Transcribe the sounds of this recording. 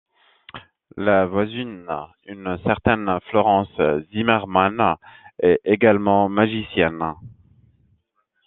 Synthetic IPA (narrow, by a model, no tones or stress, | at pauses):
lavwazin | ynsɛʁt̪ɛnflɔʁɑ̃szimɛʁmanɛeɡalmɑ̃maʒisjɛn